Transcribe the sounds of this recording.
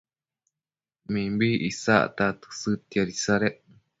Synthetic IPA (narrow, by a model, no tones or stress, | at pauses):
mĩmbiʔisa̰ʔt̪at̪ɨ̥sɨt̪iaɾisaɾeʔ